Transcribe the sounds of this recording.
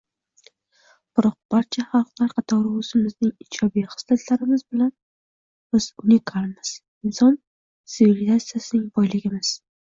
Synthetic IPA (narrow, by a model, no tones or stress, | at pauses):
b̥ɪɾɒq̚b̥aɾt͡ʃʰahɑlˠqlˠaɾqʰɑt̪ʰɒwɾʊʊsɪmɪznɪŋɪd͡ʒɒbijχɨ̥slat̪ʰlaɾɪmɪzbɪlan | b̥ɪz̥ʊnikʰalˠmɪz̥ | ɪnsɒn | t̪sɪvilɪzat̪sijasɪnɪŋbɒjlɪɡʲɪmɪz̥